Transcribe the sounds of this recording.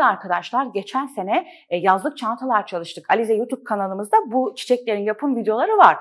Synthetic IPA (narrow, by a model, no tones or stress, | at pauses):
aɾkʰad̪aʃlˠaɾɟe̞t͡ʃʰænse̞nɛ | jazlˠɯk̚t͡ʃʰant̪ʰalˠaɾt͡ʃʰalˠɯʃt̪ɯkalʲizɛjut̪ʰup̚kʰanalˠɯmɯzd̪abut͡ʃʰi̥t͡ʃʰɛclʲe̞ɾinjapʰɯmvid̪ejo̞lˠaɾɯvaɾ̥